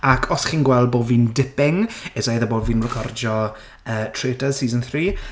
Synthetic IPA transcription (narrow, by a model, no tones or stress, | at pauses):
akʰɔsχiːnɡwɛlˠd̚boːdviːndɪpɪŋɛzajðəboːdviːnrəkʰɔrd͡ʒɔ | əːtʰreːtəz̥siːzənθriː